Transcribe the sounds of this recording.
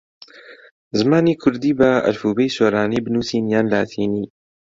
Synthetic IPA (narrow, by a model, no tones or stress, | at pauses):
zmanikʰʊɾd̪ibaʔa̰lfubijsuɾˤaːnibnusinjanlaːt̪ʰini